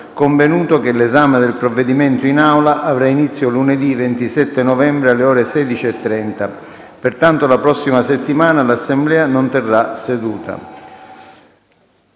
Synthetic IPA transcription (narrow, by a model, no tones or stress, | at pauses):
koɱvenuːt̪okelezaːmed̪elpɾovːed̪imɛnt̪oinawlaʔavɾainit̪sːjoluned̪ivent̪isɛt̪ːenɔvɛmbɾealːeɔːɾesɛːd̪it͡ʃiet̪ːɾɛnt̪a | pert̪ant̪olapɾɔsːimaset̪ːimaːnalasːemblɛːanont̪ɛrːased̪uːt̪a̰